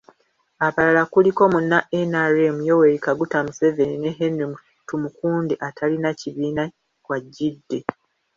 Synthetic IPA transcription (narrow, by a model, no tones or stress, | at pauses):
aβalalakuliko̞munːaʔenaɾemujowe̞ɾikaɡutamuse̞ve̞nine̞ɦenemu | tumukuːndeʔatʰalinaciβiːna | kwaɟːidːe̞